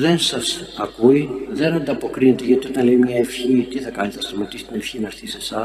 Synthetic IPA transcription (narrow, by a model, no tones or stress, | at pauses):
ðe̞nsɐsɐkuiðe̞nɐnd̪ɐpo̞kɾine̞t̪eʝɐt̪io̞t̪ɐnleimɲɐefçit̪iθɐkɐniθɐst̪omɐt̪isi̥t̪ine̞fçinɐɾθise̞sɐ